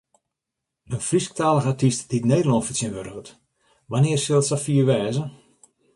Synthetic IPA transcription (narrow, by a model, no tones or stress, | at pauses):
ənfrisk̚taːləɣatistd̥itneːdəlɔntfətsjənʋøɾəɣət | ʋanɪərsɪlˠtsafiərʋɛːzə